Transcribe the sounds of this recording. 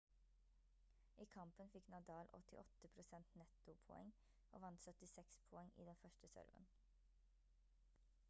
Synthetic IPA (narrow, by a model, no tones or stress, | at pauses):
ʔiːkʰɑmpənfɪknɑd̪ɑːlʔɔ̰t̪ɪʔɔt̪əpʰɾʊsɛnt̪nɛt̪ʊpʰɔɛ̰ŋ | ʔo̰ːʋɑnt̪sœt̪ɪsɛkspʰɔɛŋʔḭːd̪ɛnfœʃʈəsœ̰ɾʋə̰n